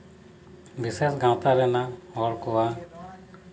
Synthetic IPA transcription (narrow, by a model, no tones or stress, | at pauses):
bisesɡãw̃t̪aɾɛnaɦɔɽkɔwa